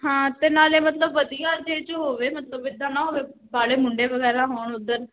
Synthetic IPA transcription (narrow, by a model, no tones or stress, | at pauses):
ɦãːt̪eːnaːleːmət̪ləbːəd̪ijaːd͡ʒeːt͡ʃəɦoːʋeːmət̪ləbɪd̪ːãːnãːɦoːʋeːbaːɽeːmʊɳɖeːʋəɡɛːɾãːɦoːɳʊd̪əɾ